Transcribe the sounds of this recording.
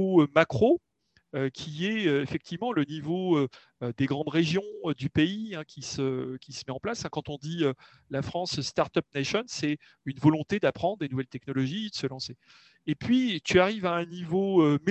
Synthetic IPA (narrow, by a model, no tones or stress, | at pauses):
oømakχo | økʲʰiɛøefɛk̚t̪ʰivmɑ̃lənivoø | ød̪eɡʁɑ̃d̪ʁeʒjɔ̃ød̪ypeiɛ̃kʲisəkʲi̥sə̥mɛɑ̃plasɛ̃kɑ̃t̪ɔ̃d̪iø | lafχɑ̃sst̪aʁt̪œp̚naʃɔnsɛ | ynvɔlɔ̃t̪ed̪apχɑ̃d̪ʁd̪enuvɛlt̪ɛknɔlɔʒid̪əsəlɑ̃se | epɥit̪yaʁivaɛ̃nivoøme